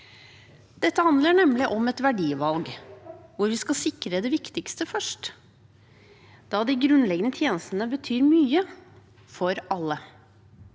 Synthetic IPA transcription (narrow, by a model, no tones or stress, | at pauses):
d̪̥ɛt̪ːəhɑnd̪ləɳɛmlɪʔɔmɛt̪ʋæɖiːʋɑlɡʋʊɾʋɪskɑsɪkɾəd̪ɛʋɪkt̪ɪkst̪əfœʂʈ | d̪̥ɑːd̪ɪɡɾʉnlɛɡənət̪ʰjeːnəst̪ənəbət̪ʰyːɾmyːə | fɔɾɑlːə